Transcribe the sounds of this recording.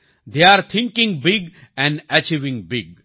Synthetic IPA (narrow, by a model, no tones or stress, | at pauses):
d̪eaɾt̪ʰɪ̃ŋkɪ̃ŋbɪɡ | ɛ̃ɳɖɛt͡ʃiʋɪ̃ŋbɪɡ̚